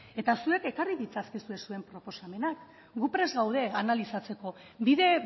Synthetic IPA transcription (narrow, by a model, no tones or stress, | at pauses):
e̞t̪asue̞kekariðit͡saskisue̞sue̞mpɾo̞po̞same̞nak | ɡupɾe̞zɣawð̞e̞analisat͡se̞ko̞ | biðe̞